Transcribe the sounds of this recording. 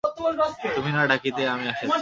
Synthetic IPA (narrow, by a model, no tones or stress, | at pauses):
ot̪omanast̪uminaɖakit̪eamiaʃe